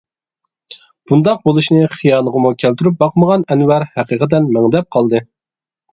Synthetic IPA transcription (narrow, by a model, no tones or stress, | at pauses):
b̥und̪ɑq̚bolˠuʃnɨχijɑːlnˠəʁəmukʲʰælt̪yɾyp̚bɑqməʁɑnɛnwæɾhæqiːqət̪̬ɛnmæŋd̪ɛp̚qʰɑlˠd̪ɨ